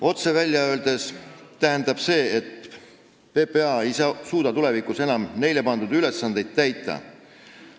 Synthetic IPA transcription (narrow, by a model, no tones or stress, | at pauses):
o̞t̪se̞vælʲjɑø̞ːld̪̥e̞st̪æɦend̪ɑb̥se̞ːet̪ | pe̞pe̞ɑe̞jsɑːsuːd̪̥ɑt̪ule̞vikuse̞nɑmne̞jle̞pɑnd̪̥ud̪̥yle̞sːɑnd̪e̞jd̪̥̚t̪æjt̪ˑːɑ̰